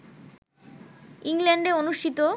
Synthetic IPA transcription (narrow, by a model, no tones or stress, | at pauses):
iŋleɳɖeonuʃʈʰit̪o